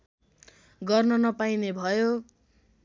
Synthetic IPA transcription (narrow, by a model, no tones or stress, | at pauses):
ɡʌrnʌnʌpainebʱʌjo